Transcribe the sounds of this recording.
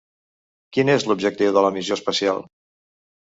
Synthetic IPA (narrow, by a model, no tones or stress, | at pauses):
kinezlubʒək̚t̪iwðələmizjoəspəsia̰lˠ